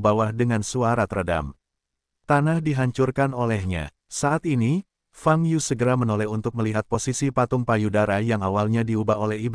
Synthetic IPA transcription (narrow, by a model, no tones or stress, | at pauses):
bawahdəŋansuaɾat̪əɾada̰m | t̪anahdiɦaɲt͡ʃurkanolɛhɲa̰ | saʔːt̪ini | faŋjusəɡəɾamənolɛhunt̪ʊk̚məliɦat̪̚posisipat̪ʊŋpajudaɾajaŋawalɲadiubaɦolɛɦib